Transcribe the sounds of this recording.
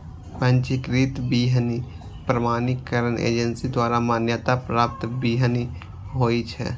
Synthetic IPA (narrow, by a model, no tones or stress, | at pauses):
pə̃nt͡ʃikɾit̪biːɦəni | pɾəmaːnɪkːəɾənʔḛːd͡ʒənsid̪waːɾamaːnjət̪apɾaːp̚t̪biːɦəni | ɦoːit͡ʃʰɛ̰